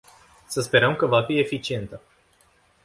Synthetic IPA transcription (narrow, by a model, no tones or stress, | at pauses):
səspe̞ɾəmkəvafie̞fit͡ʃie̞nt̪ə